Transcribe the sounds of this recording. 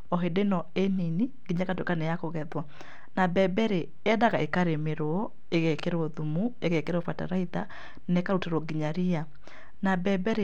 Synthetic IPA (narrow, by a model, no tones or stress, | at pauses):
ɔɦedenɔeniniɡiɲakatoekanejakoɣɛðwa | nabɛbɛɾe | ɛdaɣaʔekaɾemeɾo | eɣɛkeɾoðumueɣɛkeɾofata̰ɾaiða | nekaɾuteɾɔɡiɲaɾia | nabɛbɛɾe